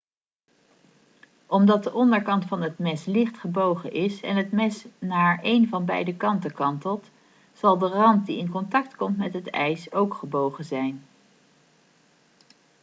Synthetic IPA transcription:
ʔɔmdɑt̚dəʔɔndəɹkɑntfɑnɦətmɛslɪχtχəbowχənʔɪsɛ̰nɦətmɛsnaːɹejnvɑnbɛ̰jdəkɑntəkɑntəlˠt | z̥ɑlˠdərɑnt̚diɪnkɔntɑk̚tkɔmtmɛtɦətɛ̰jsowkχəbowχənzɛjn

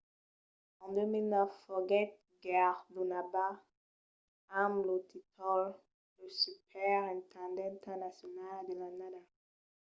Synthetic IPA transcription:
ɔ̃ndeminafɔɡɛt̚ | ɡɛʁdunaba | amlot̪ʰitʰɔl | ləsypʰɛʁɛ̃ntʰãndɛ̃ntʰanasjɔnaldelanada

